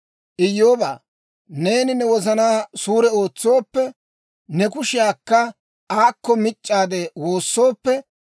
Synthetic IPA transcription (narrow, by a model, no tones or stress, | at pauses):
ʔɪjːoːba̰ː | ne̞ːnɪnɛwɔzɐnaːsuːɾɛoːt͡sːoːpːɛ | nɛkʊʃɪjaːkːɐ | aːkːɔmɪt͡ʃʼːaːd̪ɛwo̞ːsːo̞ːpːɛ